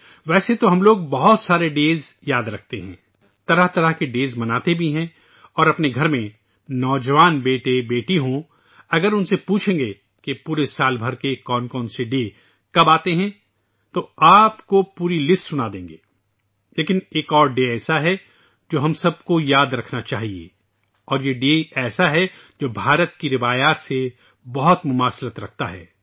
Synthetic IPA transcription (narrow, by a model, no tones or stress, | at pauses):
ʋɛːset̪oɦɐmloːɡ̚bɐɦʊt̪saːɾeɖeːz | jaːd̪ɾɐk̚ʰt̪ḛɦɛ̃ː | t̪ɐɾəɦt̪ɐɾəɦkeɖeːzmɐnaːt̪ebʱiɦɛ̃ | ɔːɾɐpneɡʱɐɾmẽ | nɔːd͡ʒɐʋaːnbeːʈebeːʈiɦõ | ɐɡəɾʊnsepuːt͡ʃʰẽːŋɡe | kepuːɾesaːlbʱɐɾkekɔːnkɔːnseɖeː | kɐbaːt̪eɦɛ̃ | t̪oaːpkopuːɾilɪsʈsʊnad̪ẽːŋɡeː | leːkɪneːkɔːɾɖeɛːsaɦɛ | d͡ʒoːɦɐmsɐb̚kojaːd̪ɾɐkʰnat͡ʃaːɦiḛː | ɔːɾjeɖeːɛːsaɦɛ | d͡ʒoːbʱaːɾət̪kiɾɪʋaːjaːt̪se | bɔɦʊt̪mʊmaːslət̪ɾɐkʰt̪aɦɛ̰ː